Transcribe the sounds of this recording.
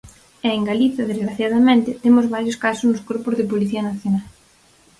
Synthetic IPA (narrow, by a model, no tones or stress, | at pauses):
ɛeŋɡaliθjɐðezɣɾaθjað̞ɐmẽnt̪ɪt̪emʊzβaɾjoskasʊznʊskoɾpʊzðɪpoliθiɐnaθjonal